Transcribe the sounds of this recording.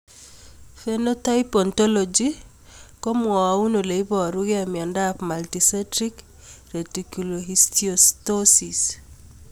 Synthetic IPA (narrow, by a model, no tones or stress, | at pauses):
fenɔtaipɔntɔlɔd͡ʒi | kɔmwɔwaunoleibɔɾuɣamjandapmaltisɛtɾik | ɾetikuloɦistiɔstɔsis